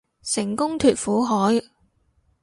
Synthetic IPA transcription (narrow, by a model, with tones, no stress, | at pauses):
sɪ˨˩ŋkʊ˥ŋt̪ʰyː˨t̚fuː˨˥ɦɔː˨˥j